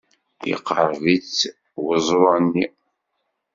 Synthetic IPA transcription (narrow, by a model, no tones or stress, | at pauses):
jḭqːəɾˤðit͡sː | wəzˤɾɑnːi